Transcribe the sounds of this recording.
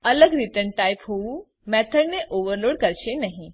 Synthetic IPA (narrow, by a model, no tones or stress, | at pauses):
ələɡɾiʈənʈajpɦou | mɛt̪ʰəɽneʔoʋəɾloɽkəɾɕenaɦĩ